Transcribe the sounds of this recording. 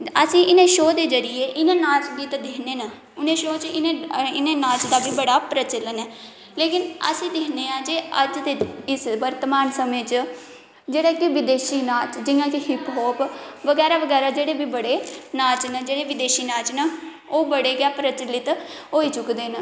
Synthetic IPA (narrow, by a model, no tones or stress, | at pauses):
əsĩːʔɪneːʃoːd̪eːzəɾɪjeːʔɪnẽːnaːt͡ʃɡiːt̪d̪ɪːneːnə | ʊnẽːʃoːt͡ʃɪneɪneːnaːt͡ʃd̪aːbiːbəɽaːpɾət͡ʃələnɛː | leːkɪnə̰sĩːd̪ɪːneːãːd͡ʒeːəd͡ʒd̪eːɪsʋəɾt̪əmaːnsəmẽːt͡ʃ | d͡ʒeːɽaːkɪʋɪd̪eːʃiːnaːt͡ʃd͡ʒɪjãːkɪhɪpɦɔːpʋəɡɛːɾaːʋəɡɛːɾaːd͡ʒeːɽeːbiːbəɽeːnaːt͡ʃnəd͡ʒeːɽeːʋɪd̪eːʃiːnaːt͡ʃnə | oːbəɽeːɡaːpɾət͡ʃəlɪt̪ɦoːiːt͡ʃʊkd̪eːnə